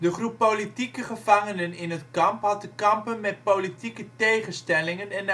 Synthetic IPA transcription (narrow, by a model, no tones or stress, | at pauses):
dəχrupːolitikəχəvɑŋənənɪnətkɑmpɦɑt̚dəkɑmpənmɛt̚politikətejχənstɛlɪŋənɛn